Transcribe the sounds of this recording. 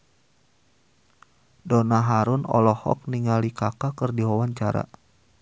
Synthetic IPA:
dɔnaɦaɾʊnɔ̰lɔhɔ̰k̚niŋalikakakɨrdiɦɔwaɲt͡ʃaɾa̰

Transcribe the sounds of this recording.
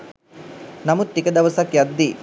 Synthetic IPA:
nɐmut̪ːikɐd̪ɐʋɐsɐkjɐd̪ːi

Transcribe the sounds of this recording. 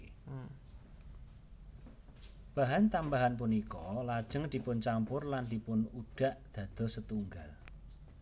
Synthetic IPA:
b̥a̤ɦaɲt̪ambaɦanp̬unikɔlad̥ʒ̥əŋd̪̥i̤pʊnt͡ʃampʊrland̪̥i̤pʊnuɖ̥a̤ʔd̪̥ä̤d̪̥ɔ̤sət̪uŋɡal

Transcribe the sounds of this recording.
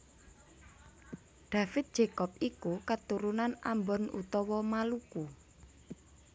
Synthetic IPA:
ɖ̪̥ä̤fɪt̪̚d̥d͡ʒ̥ekɔp̚ikukət̪uɾunana̰mbɔnṵt̪ɔwɔmaluku

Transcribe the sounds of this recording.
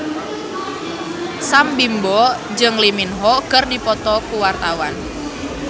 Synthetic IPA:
sambimbɔ | d͡ʒɨŋliminɦɔkərdipɔt̪ɔkuwart̪awan

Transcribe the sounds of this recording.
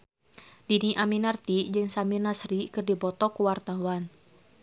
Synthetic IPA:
d̥iniʔaminart̪id͡ʒɨŋsamirnasɾikɨrdipɔt̪ɔkuwart̪awan

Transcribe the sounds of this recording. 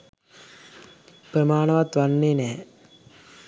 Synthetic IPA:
prəmaːnɐʋat̪ʋanːeːnɛː

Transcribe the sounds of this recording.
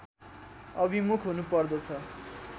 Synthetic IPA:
ʌbimukʰɦunupʌrd̪ʌt͡sʰʌ

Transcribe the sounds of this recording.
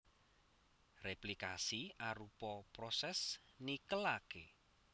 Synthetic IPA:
replikasiaɾupɔpɾɔsɛsnikəlake

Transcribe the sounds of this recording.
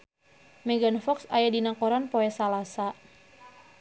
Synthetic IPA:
mɛɡanfɔksajadinakɔɾanpoɛsalasa

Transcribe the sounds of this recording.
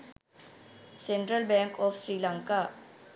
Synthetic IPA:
senʈɾəlbɛ̃ŋkɔpʰsɾilãŋka

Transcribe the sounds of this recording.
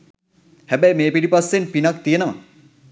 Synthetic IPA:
hæbæjmeːpiɖipasːenpinakt̪ijenəʋa̰

